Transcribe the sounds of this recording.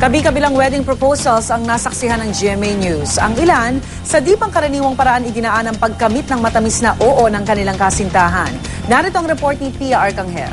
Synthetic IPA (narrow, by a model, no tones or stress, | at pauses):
kɐbikɐbɪlaŋwɛd̪ɪŋpɾopowsɐlsɐŋnaːsɐksɪɦanɐŋd͡ʒiɛmenjusɐ̰ŋɪlan | sɐd̪iːpɐŋkɐɾɐniːwɐŋpɐɾɐʔanɪɡ̪ɪnɐʔanɐŋpɐɡ̚kɐmit̪̚nɐŋmɐt̪ɐmisnɐʔoːʔo̞nɐŋkɐnɪlaŋkasɪnt̪aːɦɐ̰nː | aɾɪt̪oʔɐŋɾɛpo̞ɹt̪̚nipiaʔaɹkɐŋhɛ̰l